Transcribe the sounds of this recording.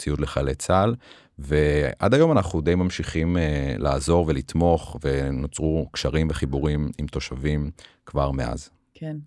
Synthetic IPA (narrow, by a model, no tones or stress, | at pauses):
t͡sijut̪leχalet͡sal | veʔa̰d̪ajo̞manaχud̪ejmamʃiχimla̰ːzo̞ʁvelit̪mo̞χve̞not͡sʁukʃaʁimveχibuʁimimt̪o̞ʃavim | kvaʁmea̰z | ken